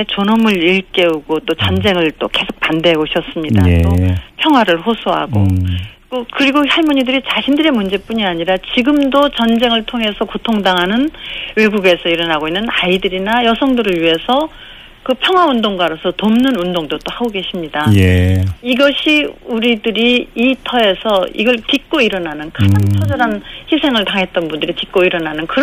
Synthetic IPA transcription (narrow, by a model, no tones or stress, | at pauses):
et͡ɕonʌmɯɾiɭk͈e̞uɡot͈ot͡ɕʌnd͡ʑe̞ŋɯɭt͈ok͈e̞sʰo̥k̚p͈andeɡoɕʰʌs͈ɯmɲida̰topʰjʌŋɦwaɾɯɭɸosʰoɦa̰ɡo̰kokɯɾiɡohaɭmuɲidɯɾit͡ɕaɕʰindɯɾe̞mund͡ʑe̞p͈uɲiaɲiɾat͡ɕiɡɯmdot͡ɕʌnd͡ʑe̞ŋɯɭtʰoŋɦe̞sʰʌkotʰoŋdaŋɦanɯnwe̞ɡuɡe̞sʰʌiɾʌnaɡoinːɯnaidɯɾinajʌsʰʌŋdɯɾɯɭɥiɦe̞sʰʌ | kɯpʰjʌŋɦwaundoŋɡwaɾosʰʌtomnɯnundoŋdot͈ohaɡoɡe̞ɕʰimɲidajeiɡʌɕʰiuɾidɯɾiːtʰʌe̞sʰʌḭɡʌɭtik̚k͈oiɾʌnanɯnkad͡ʑaŋt͡ɕʰʌd͡ʑʌɾançisʰe̞ŋɯɭtaŋɦe̞t̚t͈ʌnbundɯɾitik͈oiɾʌnanɯnkɯ